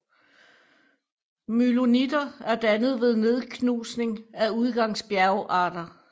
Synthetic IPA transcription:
mylonid̥ɐæɐd̥ænəð̞̩ˠʋe̝ð̞ˠne̝ð̞ˠkʰnuːsne̝ŋæuð̞ˠɡ̥ɑ̈ŋ̰sb̥jæɐʊʔɑ̈ːd̥ɐ

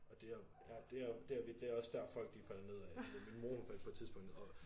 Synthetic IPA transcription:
ɒ̽d̥e̝æɐjæd̥e̝æɐd̥eæɐʋid̥eæɐɒ̽sd̥æɐ̥fɒ̽l̰ɡ̥̚d̥ifæl̰ɐne̝ð̞̰ˠæminmoːnfæl̰̥̚pʰɒ̥̽t͡sʰiðˠb̥ɔ̽ŋ̰d̥̩ˠɒ̽

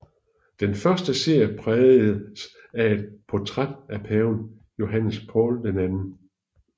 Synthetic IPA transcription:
d̥enfɶɐsd̥əse̝ɐ̰jəpʰʁɛð̩s | æe̝d̥̚pʰɒt͡sʰʁad̥æpʰɛːʊn | jo̝ɦænəspʰɒ̰ːld̥enænn̩

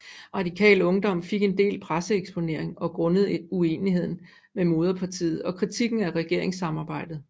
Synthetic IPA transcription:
ʁɑ̈dikʰɛ̰ːlɔ̽ŋd̥ɒ̽m̰fe̝ɡ̥e̝nd̥e̝̰ːlpʰʁasəeɡ̥sb̥o̝ne̝ɐ̰eŋɒ̽ɡ̥ʁɔ̽nəð̩ˠue̝ːnihe̝ð̞̰ˠn̩ | memo̝ːð̞ˠɐpʰɑ̈t͡sʰḭːð̞̩ˠɒ̽kʰʁit͡sʰiɡ̥n̩æʁɛɡ̥e̝ɐ̰eŋsːɑ̈mɑ̈ːb̥ɑ̈ɪ̰d̥ð̞̩ˠ

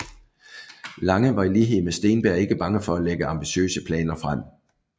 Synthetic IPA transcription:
lɑ̈ŋəʋɑ̈iliːɦe̝ð̩ˠmesd̥e̝̰ːnb̥æɐ̰e̝ɡ̥əb̥ɑ̈ŋəfɒ̽æleɡ̥əɑ̈mb̥iɕø̰ːsəpʰlɛ̰ːnɐfʁam̰

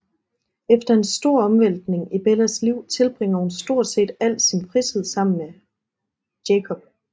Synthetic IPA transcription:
efd̥ɐe̝nsd̥o̝ɐ̰ɒ̽mʋen̰d̥ne̝ŋib̥elɐsliʊ̰t͡sʰe̝lb̥ʁeŋ̰ɐhunsd̥o̝ɐ̰d̥se̝̰ːd̥æl̰d̥sinpʰʁishe̝ð̰ˠsɑ̈m̰n̩me | d̥ekʰɒ̽b̥̚

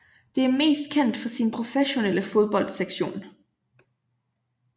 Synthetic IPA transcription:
d̥e̝æɐme̝̰ːsd̥̚kʰen̰d̥fɒ̽sinpʰʁo̝feɕo̝neləfo̝ðˠb̥ɒ̽l̰d̥seɡ̥ɕo̝̰ːn

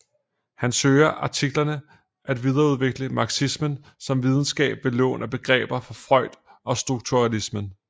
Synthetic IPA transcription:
hænsøːɪɐʔɑ̈t͡sʰiɡ̥lɐnə | ʔæd̥ʋið̞ˠɐuð̞ˠʋeɡ̥ləmɑ̈ɡ̥sismən | sɒ̽mʋið̞ˠn̩sɡ̥ɛ̰ːb̥ʋe̝lɔ̰ːnʔæb̥e̝ɡ̥ʁɛ̰ːb̥ɐfɒ̽fʁɒ̽ɪ̰d̥ɒ̽sd̥ʁuɡ̥̚t͡sʰuʁɑlismən

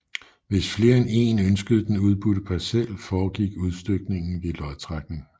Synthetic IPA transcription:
ʋe̝sfle̝ːɐene̝̰ːnønsɡ̥əð̞̩ˠd̥enuð̞ˠb̥uɾ̥əpʰɑsel̰fɒːɡ̥iɡ̥uð̞ˠsd̥øɡ̥ne̝ŋn̩ʋelɒ̽ðˠt͡sʰʁɑɡ̥n̩

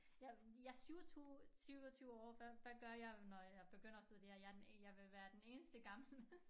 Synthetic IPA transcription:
jɑ̈jɑ̈ɪsyʊsyʊt͡sʰyʊɒ̰ːʋæʋæɡ̥ɶɐjɑ̈ɪnɒjɑ̈ɪb̥e̝ɡ̥øn̰ɐɒseðˠd̥eɐjɑdjɑ̈ɪʋe̝ʋæːɐd̥ene̝ːnəsd̥əɡ̥ɑ̈ml̩mes

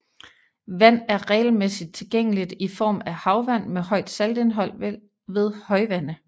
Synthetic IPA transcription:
ʋæn̰æɐʁɛ̰ːl̩mesid̥̚t͡sʰe̝lɡ̥eŋ̰əlid̥ifɒ̰ːmæhɑ̈ʊʋæn̰mehɒ̽ɪd̥sæld̥e̝nɦɒ̽l̰ | ʋe̝ð̞ˠhɒ̽ɪʋæn̰ə

